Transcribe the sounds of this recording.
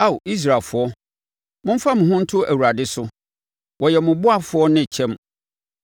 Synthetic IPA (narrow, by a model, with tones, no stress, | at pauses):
a˦˨wi˦s̬ɾa˨fʊ˨ɔ˦ | mʊ̃˦m̩˦fa˦mʊ̃˨ɦʊ̃˦n̩˦tʰʊ˦ʔæ˨wu˨ɾa˨dɪ˦sʊ˦ | wʔɔ˨jɛ˨mʊ̃˨bʊ˦a˦˨fʊ˦ɔ˦nɪ̃˦˨t͡ɕʰɛ̃˦m